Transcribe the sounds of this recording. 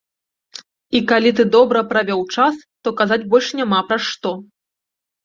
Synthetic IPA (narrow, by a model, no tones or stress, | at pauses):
ikalʲit̪̬ɨd̪ɔbɾɐpɾavʲɔwt͡ʂast̪ɔkazad͡zʲbɔlʲʂnʲamapɾaʂt̪ɔ